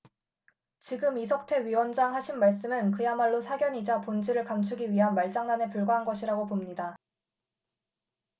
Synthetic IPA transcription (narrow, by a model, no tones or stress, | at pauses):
t͡ɕiɡɯmisʰʌk̚tʰe̞ɥiwʌnd͡ʑaŋɦaɕʰinmaɭs͈ɯmɯnkɯjamaɭːosʰaɡjʌɲid͡ʑapond͡ʑʰiɾɯɭkamt͡ɕʰuɡiɥiɦanmaɭt͡ɕ͈aŋnanepuɭɡaɦanɡʌɕʰiɾaɡopomɲida